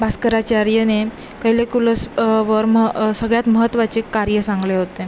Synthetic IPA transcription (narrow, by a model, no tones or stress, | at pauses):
baskəɾat͡ɕaɾjəne | kəjlekuləsʋəɾməsəɡɭjat̪məɦət̪ːʋat͡ɕikːaɾjəsãŋɡleɦot̪e